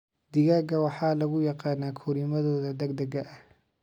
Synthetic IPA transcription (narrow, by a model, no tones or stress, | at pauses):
d̪ɪɣaːɡɐwɑħɑːlɐɣʊjɑqɑːnaːkʰɔɾimɐðɔːðɐd̪ɐɡ̚d̪ɐɡɐʔɐh